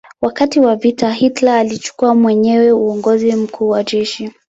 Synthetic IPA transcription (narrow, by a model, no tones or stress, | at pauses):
wakatiwavitaɦitlaːlit͡ʃu̥kuamwɛɲɛwɛuɔŋɡɔzim̩kʰuːwad͡ʒɛʃi